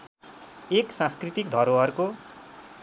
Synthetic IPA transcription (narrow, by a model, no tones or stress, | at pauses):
eksãskrit̪ikd̪ʱʌɾoʌrko